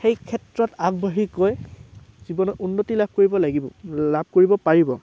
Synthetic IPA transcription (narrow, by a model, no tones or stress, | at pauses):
xejkʰɛtɹɔtaɡ̚baɦikoj | z̥ibɔnɔunːotilab̚ʱkoɹibɔlaɡibɔ̰lab̚ʱkoɹibɔpaɹibɔ